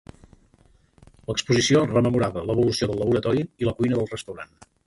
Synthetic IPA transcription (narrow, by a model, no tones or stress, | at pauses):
ləkspuzisiorəməmuɾaβələβulusioðəlːəβuɾət̪ɔɾiiləkujnəðəlˠrəst̪əwɾa̰n